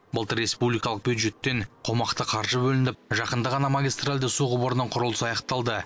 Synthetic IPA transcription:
bəlˠt̪əɾːe̞spublijkɑlˠəq̚bʲjud̪ʒe̞t̪ːe̞ɴqʰo̞mɑqt̪əqʰɑɾʒəbɵlɪnd̪ɪp̚ʒɑqənd̪əʁɑnɑmaɡʲist̪ralʲd̪ɪsuʁʊbəɾənəɴqʰʊɾʊlˠəsɑjɑqt̪ɑlˠd̪ə

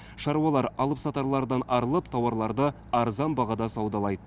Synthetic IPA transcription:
ʃɑɾuwɑlˠɑɾɑlˠəpsɑt̪ɑɾlˠɑɾd̪ɑnɑɾəlˠəpt̪ʰɑwɑɾlˠɑɾd̪ə | ɑɾzɑnbɑʁɑd̪ɑsɑwd̪ɑlˠɑjd̪ə

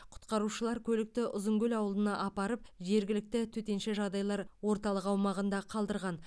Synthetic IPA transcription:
qʰʊ̥t̪qɑɾuʃəlˠɑɾkʲʰɵlɪk̚t̪ɪʔʊzəŋɡʲɵlʲɑwəlˠənɑʔɑpɑɾəp̚ʒe̞ɾɡʲɪlɪk̚t̪ɪt̪ʰɵt̪e̞nʃeʒɑd̪ɑjlˠɑɾwo̞ɾt̪ɑlˠəqɑwmɑʁənd̪ɑqʰɑlˠd̪əɾʁɑn

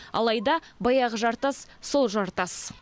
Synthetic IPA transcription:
ɑ̰lˠɑjd̪ɑbɑjɑʁəʒɑɾt̪ɑsso̞lˠʒɑɾt̪ɑs

